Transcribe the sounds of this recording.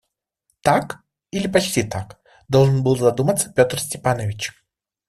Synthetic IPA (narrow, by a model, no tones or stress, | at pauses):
t̪ak | ilʲɪpɐt͡ɕtʲit̪ak | d̪o̞lˠʐɨnbɨlˠzɐd̪umət̪sə̥pʲot̪rsʲtʲɪpanəvʲɪt͡ɕ